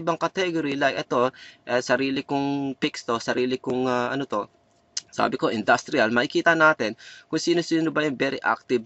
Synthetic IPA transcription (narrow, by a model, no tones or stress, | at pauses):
ɪbɐŋkɐt̪ɛɡoɾilajkʔɛt̪o̞ʔɛsɐɾiːlɪkʊŋpɪkst̪osɐɾiːlɪkʊŋaʔɐ̰not̪o̞ | sa̰ːbɪko̞ʔɪnd̪ast̪ɾɪɐlmɐʔɪkiːt̪ɐnaːt̪ɛnkʊŋsiːnosiːnobɐjʊŋbɛːɾɪʔa̰k̚t̪ɪb̚